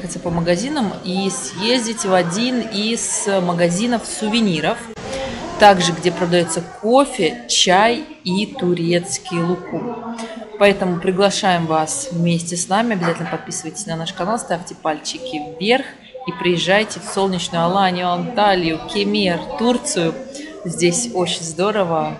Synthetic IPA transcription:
xət̪səpəməɡɐzʲinəmisjezʲdʲɪtʲvɐdʲinisməɡɐzʲinəfsʊvʲɪnʲiɾəf | t̪aɡʐɨɡdʲe̞pɾəd̪ɐjo̞t̪səko̞fʲɪt͡ɕaj | it̪ʊɾʲet̪skʲɪjlˠʊku | pɐɛt̪əmʊpɾʲɪɡlˠɐʂajɪmvasvmʲesʲtʲɪsnamʲɪɐbʲɪzatʲlnəpɐt̪̚pʲisɨvəjtʲɪ̥sʲnɐnaʂkɐnalˠst̪afʲtʲɪpalʲt͡ɕɪkʲɪvvʲerx | ipɾʲɪjɪʐːajtʲɪfso̞lˠnʲɪt͡ɕnʊjɐlˠanʲɪjʊɐnt̪alʲɪjʊkʲɪmʲert̪urt̪sɨjʊ | zʲdʲesʲo̞t͡ɕɪnʲzd̪o̞ɾəvə

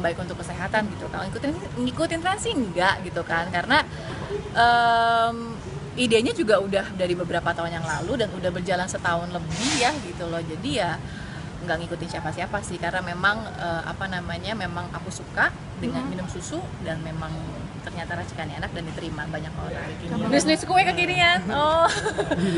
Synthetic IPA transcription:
baɪkunt̪ʊkːəseɦat̪anɡit̪uka̰laŋikut̪ɪn | ŋikut̪ɪnt̪ɾansiəŋɡaʔɡit̪ukankaɾəna | ʔəm | ideɲad͡ʒuɡaudahdaɾibəbəɾapat̪aʊnjaŋlaludanudahbərd͡ʒalansət̪aʊnləbihjahɡit̪ulɔhd͡ʒadija | ŋɡaʔŋikut̪ɪnʃiafasiapasɪhkarənamemaŋəa̰panamaɲamemaŋakusuka | dəŋanminʊmsusudanmemaŋ | t̪ərɲat̪aɾat͡ʃi̥kanienak̚dandit̪əɾimabaɲakoɾaŋbikibisnɪskuɛkəkiɾianɔ

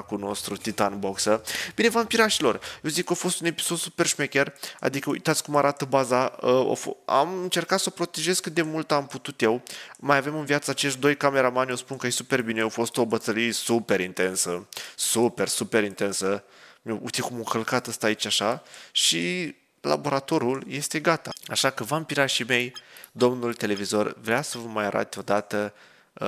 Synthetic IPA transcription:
kuno̞st̪ɾut̪it̪anbo̞ksəb̥ine̞vampiɾaʃilo̞rjewzikːofo̞st̪une̞pi̥so̞d̪su̥pe̞rʃmekʲera̰d̪ikəoṵjt̪at̪sʲkumaɾat̪əbazaəo̰foa̰mɨnt͡ʃe̞rkat̪sopɾo̞t̪e̞ʒe̞skɨt̪e̞mult̪amput̪ut̪je̞wmajave̞mɨnvjat̪səaːt͡ʃeʃt̪d̪o̞jkame̞ɾamanʲospunkaejsupe̞rbineofo̞st̪obət̪əlijesupeɾint̪e̞nsəsupe̞rsupe̞ɾint̪e̞nsə | meṵt̪ʲikumoŋkəlkat̪əst̪aːit͡ʃaʃaʃi | la̰bo̞ɾat̪o̞ɾulje̞st̪e̞ɡat̪aaʃakəvampiɾaʃime̞jd̪o̞mnult̪e̞le̞vizo̞rvɾeawsəvəmajaɾʔa̰t̪ʲo̞d̪at̪ə

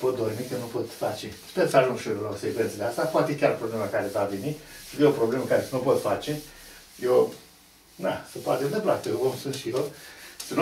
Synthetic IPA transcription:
pot̪̚d̪ormikənupo̞t̪fat͡ʃespersəaʒuŋɡʃilaopservent̪əleast̪apwat̪ekʲarpɾobleməkaɾevavenisɨd̪jeopɾo̞ble̞məkaɾesnupo̞t̪fat͡ʃe̞ | je | na̰səpoat̪ed̪eplat̪əvomsɨnt̪ʃijosən

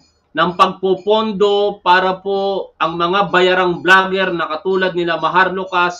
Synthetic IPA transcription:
nɐŋpɐɡ̚popond̪o̞paːɾɐpo̞ʔɐŋmɐŋabɐjaɾaŋblaːɡɛɾnɐkɐt̪uːlɐd̪̚nɪlamɐɦaɾlokas

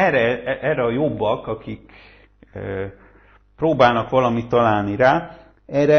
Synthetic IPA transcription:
ɛɾɛɛːrɛɒjo̞bːɒkɒkik | proːbaːlnɒkʋɒlɒmit̪ːɒlaːlniɾaː | ɛːɾɛ

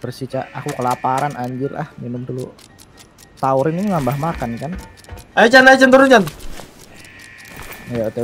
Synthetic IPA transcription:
bərsit͡ʃaʔakukəlapaɾanaɲd͡ʒɪra̰hminʊmt̪ulʊ | t̪auɾɪniuŋambahmakankan | ajat͡ʃanajat͡ʃant̪əɾunt͡ʃan | jaut̪e

